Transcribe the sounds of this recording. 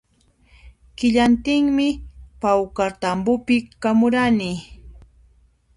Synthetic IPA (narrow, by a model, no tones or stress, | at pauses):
kɪʎant̪ɪŋmɪpawkaɾt̪ambʊpɪkamʊɾanɪ